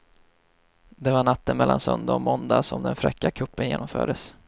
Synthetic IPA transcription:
d̪ɛvaɳat̪ːənmɛlːansœnd̪aɔmɔnd̪asɔmd̪ɛnfɾɛkːakʰɵpːənjeːnɔmfœːɖəs

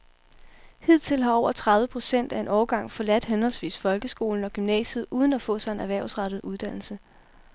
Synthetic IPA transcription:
hið̞̰ˠt͡sʰe̝lɦɑ̈ɒʊ̰ɐt͡sʰʁɑ̈ðˠʋəpʰʁo̝sen̰d̥æe̝nʔɒːɡ̥ɑ̈ŋ̰fɒ̽læd̥henhɒ̽lsʋḭːsfɒ̽lɡ̥əsɡ̥o̝ːln̩ɒ̽ɡ̥ymnɛ̰ːsəð̩ˠuːð̞ˠn̩æfɔ̰̽ːsɑ̈e̝næʋæɐ̰ʊsʁɑ̈ɾ̥ð̞̩ˠuð̞ˠd̥æn̰l̩sə

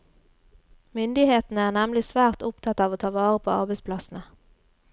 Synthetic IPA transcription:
mʏnd̪ɪheːt̪n̩əæːʁnɛmlɪsʋæːʁt̪ʊpt̪ʰɑt̪ːɑːʋoːt̪ʰɑːʋɑːʁəpʰo̰ːɑ̰ʁbɛɪspʰlɑsn̩ə

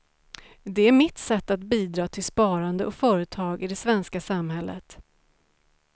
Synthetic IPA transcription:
d̪ɛæɾmɪt̪sɛt̪ːat̪biːd̪ɾɑːt̪ʰɪlspɑːɾand̪əʔɔkfœːɾət̪ʰɑːɡɪd̪ɛsvɛnskasamhɛlːʔə̰t̪

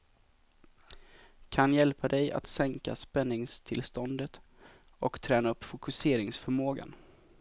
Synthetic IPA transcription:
kʰanjɛlpad̪ɛja̰t̪sɛŋka̰spɛnːɪŋst̪ʰɪlst̪ɔnd̪ət̪ | ɔkt̪ʰɾɛːnaɵpːfʊkɵseːɾɪŋsfœɾmoːɡa̰n

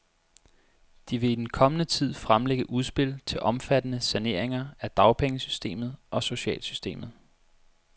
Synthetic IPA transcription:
d̥iʋe̝id̥en̩kʰɒ̽mənət͡sʰið̞̰ˠfʁamleɡ̥əʔuð̞ˠsb̥e̝l̰t͡sʰe̝lʔɒ̽mfæd̥ənəsæne̝̰ɐ̰eŋɐæd̥ɑ̈ʊpʰeŋəsysd̥e̝̰ːmð̞̩ˠʔɒ̽so̝ɕɛ̰ːlsysd̥e̝̰ːmð̞̩ˠ

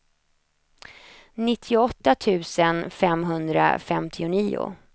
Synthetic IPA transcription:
nɪt̪ʰːɪʊɔt̪ːat̪ʰʉ̟ːsənfɛmɦɵnd̪ɾa̰fɛmt̪ʰɪʊniːʊ̰

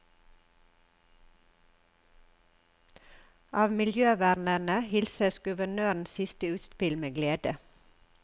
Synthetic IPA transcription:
ʔɑːʋmɪljøːʋæɾnənəhɪlsəsɡʉʋəɳøːɳ̩sɪst̪əʉːt̪spɪlmeːɡleːd̪ə

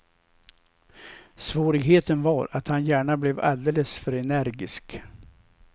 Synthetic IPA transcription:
svoːɾɪɡɦeːt̪ənvaɾat̪hanjæːɳablɛva̰ld̪eːləsfœɾɛnæɾɡɪsk

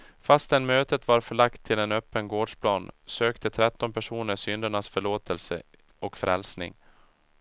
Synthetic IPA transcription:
fast̪ɛnmøːt̪ət̪vaɾfœɭakt̪ʰːɪlɛnœpːənɡoːɖʂpʰlɑːnsøːkt̪ət̪ʰɾɛt̪ːɔnpʰæʂuːnəsʏnd̪əɳasfœɭoːt̪ʰəlsə̰ | ɔkfɾʔɛlsnɪ̰ŋ

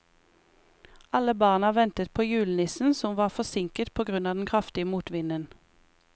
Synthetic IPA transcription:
ɑləbɑːʁnɑʋɛnt̪ət̪pʰoːjʉːlnɪsn̩sɔmʋɑːʁfɔsɪŋkət̪pʰoːɡʁʉnɑːd̪n̩kʰʁɑft̪ɪəmuːt̪ʋɪnən

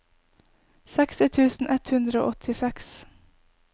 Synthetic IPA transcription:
sɛkst̪ɪt̪ʰʉːsn̩ʔɛt̪hʉnd̪ɾəo̰ːʔɔt̪ʰɪsɛks

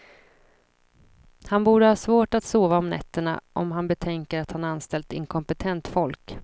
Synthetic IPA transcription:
hanbuːɖəhɑːsvoːʈat̪soːvaɔmnɛ̰t̪ːəɳa̰ʔɔmɦanbɛt̪ʰɛŋkəɾat̪hanɾanst̪ɛlt̪ɪ̰ŋkʰɔmpɛt̪ʰɛnt̪fɔlk

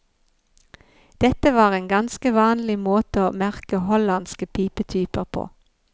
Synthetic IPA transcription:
d̪̥ɛt̪əʋɑːʁeːŋɡɑnskəʋɑːnlɪmoːt̪əoːmæʁkəhɔlɑnskəpʰiːpət̪ʰyːpəʁpʰo̰ː

